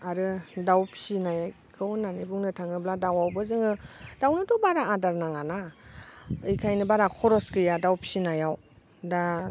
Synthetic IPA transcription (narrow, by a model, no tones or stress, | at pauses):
aɾɯdawpʰi̥sinajaj | kʰɯwnanibuŋnɯtʰaŋɯbladawawbɯzɯŋɯd̥awnɯtɔbaɾaːdaɾnaŋana | ɯjkʰajnɯbaɾakʰɔɾɔskɯjadawpʰi̥sinajaw | da